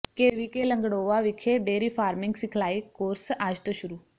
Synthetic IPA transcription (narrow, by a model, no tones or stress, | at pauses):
keːʋikelə̃ŋɡɽoːʋaʋɪkʰeɖeːɾifʰaːɾmɪ̃ŋɡsɪkʰlaːikoːɾsaːd͡ʒt̪əʃʊɾuː